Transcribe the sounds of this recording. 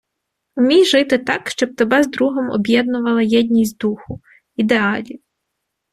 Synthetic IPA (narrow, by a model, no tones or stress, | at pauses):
ʊmʲijʒɪt̪ɪt̪ɑkʃt͡ʃɔb̚t̪ɔbɛzd̪ɾuɦɔmɔ̰bʲjɛd̪nʊʋɐlˠɐjɛdʲnʲizʲt̪ʲd̪uxʊ | id̪eɑlʲiw